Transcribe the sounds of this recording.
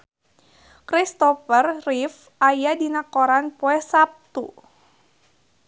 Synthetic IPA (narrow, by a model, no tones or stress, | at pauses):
kɾist̪ɔfərrif | ʔajadinakoɾanpɔɛhsap̚t̪u